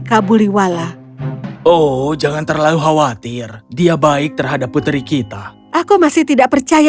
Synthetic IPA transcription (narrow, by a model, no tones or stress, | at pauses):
kabuliwala | od͡ʒaŋant̪ərlaluɦawat̪ɪrdiabaɪk̚t̪ərɦadapːut̪ɾikit̪a | ʔakumasɪht̪idaʔpərt͡ʃaja